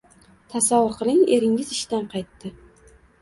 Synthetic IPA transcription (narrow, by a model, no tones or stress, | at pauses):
t̪ʰasavʊɾqʰɨlˠɪŋeɾɪŋʲɪzɪʃt̪anqʰɑjt̪ːɪ